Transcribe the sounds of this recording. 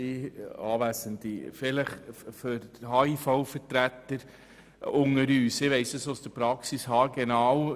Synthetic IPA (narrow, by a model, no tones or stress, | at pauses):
iɑːʋæsənd̪ifɪləχføɾhɑːifɔʊfəɾtɾæt̪əɾ | ʊŋəɾyːsɪʋɛɪsdəsosd̥əpɾɑksishɑːɡɛnɑːw